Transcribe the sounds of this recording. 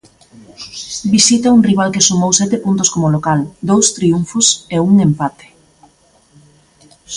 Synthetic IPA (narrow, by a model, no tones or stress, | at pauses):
bisit̪ɐuŋriβ̞alkɪsumowsɛt̪epunt̪ʊskomolokald̪owst̪ɾiuɱfʊseuŋempat̪e̥